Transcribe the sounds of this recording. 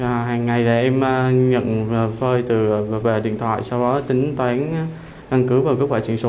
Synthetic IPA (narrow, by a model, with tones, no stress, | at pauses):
ɦaː˨˩ŋːa˨˩jɗa̰ː˧˩ʔɛ˧m˧ɲə̰˧˨n˨˩fəː˧jt̪ɨ˨˩˨ve˨˩ɗḭ˧˨ənt̪ʰwa̰ː˧˨jsa˧wɗɔ˨˦t̪ï˨˦ŋ̟t̪waː˨˦n | ka˧nkɨ˨˦vaː˨˩wkə˦˥k̚waː˧˩t͡ɕi˧˩əso˨˦